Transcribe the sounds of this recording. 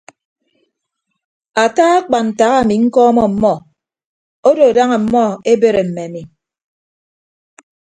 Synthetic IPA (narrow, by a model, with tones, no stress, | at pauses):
a˨taː˦a˦k͡pa˨n̩˨ta˨ɣa˦˨mi˨ŋ̩˦kɔ˦mɔ˦m̩˨mɔ˦˨ | o˦do˨da˦ŋa˨m̩˨mɔ˦e˦be˦ɾe˨m̩˨me˨a˨mi˨